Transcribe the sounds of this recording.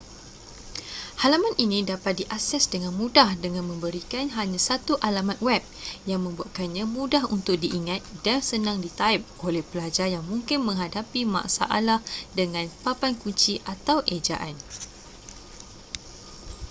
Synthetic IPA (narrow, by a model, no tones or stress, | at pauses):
halamãnʔinĩdapat̪̚diʔasɛsdəŋãnmũdahdəŋãnmə̃mbəɾikanɦaɲãsat̪uʔalamat̪̚wɛp̚jaŋmə̃mbuaʔ̪̚kanɲãmũdahunt̪ʊk̚diʔiŋat̪̚dansənãŋdit̪aɪp̚ʔolɛhpəlad͡ʒarjaŋmũŋkɪnmə̃ŋɦadapima̰ʔsa̰ʔalahdəŋãnpapankuɲt͡ʃiʔat̪awʔed͡ʒa̰ʔan